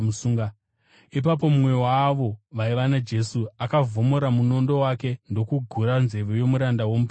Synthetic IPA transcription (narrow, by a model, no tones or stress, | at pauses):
usuːŋɡa | ip̬ap̬o̞mumwe̞waʋo̞ʋaiʋanad͡ʒe̞suakavo̞mo̞ɾamuno̞ndo̞wake̞ndo̞kuɡʱuɾanze̞ʋojo̞muɾandawo̞mupe